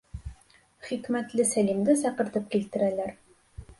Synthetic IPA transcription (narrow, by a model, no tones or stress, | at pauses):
χikmæt̪lɘsælimd̪ɘsɑqɤ̆ɾt̪ɤp̚kilt̪ɘ̆ɾælæɾ